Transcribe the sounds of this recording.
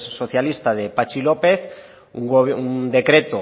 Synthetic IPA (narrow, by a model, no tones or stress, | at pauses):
sso̞θjalist̪aðepat͡ʃilopeθ | ṵŋound̪e̞kɾet̪o